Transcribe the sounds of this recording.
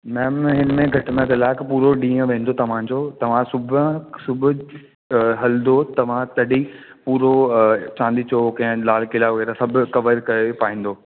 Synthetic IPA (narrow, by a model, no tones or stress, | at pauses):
mɛːmɦɪnmẽɡʱɐʈɪmẽɡɐlaːɪkɐpuːɾoɗĩːə̃ʋẽːnd̪ot̪ɐʋ̤ãd͡ʑoːt̪ɐʋ̤ãsʊbsʊbʱʊ | ɦɐld̪ot̪ɐʋ̤ãt̪ɐɗi | puːɾot͡ɕãːnd̪it͡ɕoːkɐ̃ɦɪ̃laːlkɪlaɡeːɾasɐbʱʊkɐʋəɾkɐepaːĩːn̆d̪oː